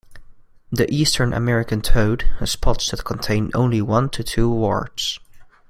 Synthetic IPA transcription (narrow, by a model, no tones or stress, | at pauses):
ðiʔiːstʰə̃˞nʔə̰mɛɹɪkɨ̃ntʰoʊdhɨ̥spʰɑtsðɨt̚kʰə̃ntʰẽɪ̃nʔõ̰ʊ̃nliwʌ̃ntʰɨtʰuwɔ̰ɹd̥z̥